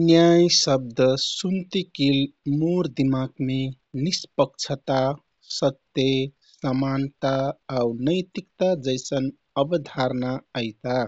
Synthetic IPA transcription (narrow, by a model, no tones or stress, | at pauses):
njajsəb̚d̪ʱəsumt̪ikilmoɾd̪imaɡme | nispəkt͡ʃʰət̪a | sət̪ːe | səmant̪aːwnəjt̪ikt̪ad͡ʒəjsən | əbəd̪ʱaɾnaəjt̪a